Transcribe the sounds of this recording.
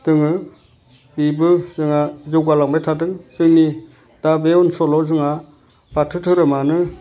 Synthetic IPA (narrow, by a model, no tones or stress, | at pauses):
dɯŋɯ | bibɯzɯŋazɔwɡalaŋbajtʰadɯŋz̥ɯŋni | d̥abeunsɔlɔzɯŋa | b̥atʰɯtʰɯɾɯmanɯ